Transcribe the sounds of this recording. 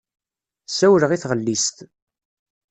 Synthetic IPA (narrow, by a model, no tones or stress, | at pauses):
sæwɾəʁiθʁəlːist̪